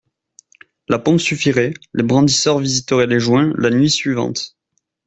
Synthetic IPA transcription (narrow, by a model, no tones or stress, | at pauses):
lapɔ̃syfiʁɛlebʁɑ̃d̪isœʁvizit̪əʁeleʒwɛ̃lanɥisɥivɑ̰̃t̪